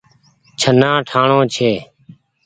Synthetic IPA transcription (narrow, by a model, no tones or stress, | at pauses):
t͡ʃʰənãːʈʰaːɳoːt͡ʃʰeː